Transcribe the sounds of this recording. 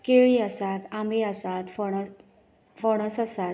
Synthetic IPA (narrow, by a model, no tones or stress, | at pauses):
keɭiəsat̪ambʱeəsat̪f | fɔɽ̃əsəsat̪